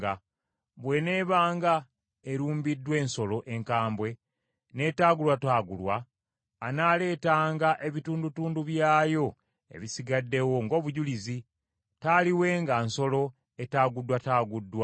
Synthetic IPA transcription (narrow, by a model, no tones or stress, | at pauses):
a | βwe̞ne̞ːβaːŋɡa | eɾuːmbidːwe̞ːnso̞lo̞ʔe̞ŋkaːmbwe̞ | ne̞ːtaːɡulwataːɡulwaː | naːle̞ːtaːŋɡaʔe̞βituːndutuːnduβjaːjo̞ | e̞̰βisiɡadːe̞wo̞ŋɡo̞ːβuɟulizi | taːliwe̞ːŋɡanso̞lo̞ | etaːɡudːwataːɡudːwa